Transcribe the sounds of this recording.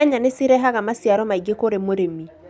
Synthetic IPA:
aɲanesiɾɛɦaɣamasiaɾɔmaiɡekoɾemoɾemi

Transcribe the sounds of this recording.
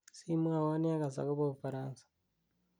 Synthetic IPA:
simwaːwaniaɡaza̰koβoβufaɾaːnsḁ

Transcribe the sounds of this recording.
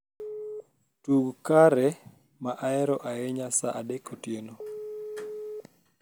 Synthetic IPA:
tuɡkaɾɛ | maʔaɛɾɔʔaɛɲasa̰ʔadekotjeno

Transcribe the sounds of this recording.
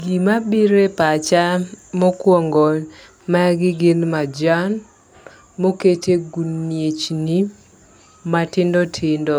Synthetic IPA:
ɡimabiɾepat͡ʃamɔkwɔŋɡɔ | maɡɪɡɪnmad͡ʒan | moketʰeɡunːjet͡ʃni | matɪndɔtʰɪndɔ

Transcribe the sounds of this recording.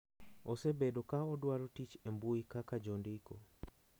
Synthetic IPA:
osebedokaɔdwaɾotit͡ʃembuikakad͡ʒondɪko̰

